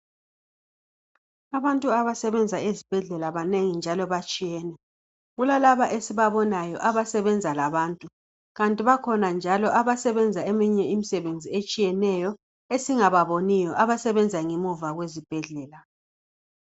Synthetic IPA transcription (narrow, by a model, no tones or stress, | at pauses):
aβantʼuaβasɛβɛnd͡zʱaezib̥ʱɛɮɛlaβaneŋind͡ʒʱalɔβat͡ʃʼijɛːnɛ | ɣulalaβaʔesiβaβɔnajɔʔaβasɛβɛnd͡zʱalaβaːntʼu | ɣantʼiβakʰɔnand͡ʒʱalɔʔaβasɛβɛnd͡zʱaemiɲɛimisɛβend͡zʱiet͡ʃʼijɛnɛjɔ | esiŋaβaβonijɔʔaβasɛβɛnd͡zʱaŋimuvaɣwezib̥ʱɛɮɛːla